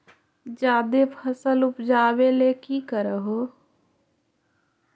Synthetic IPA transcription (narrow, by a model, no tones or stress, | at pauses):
d͡ʒjaːd̪epʰəsəlʊpd͡ʒaːʋeleːkiːkəɾəɦoː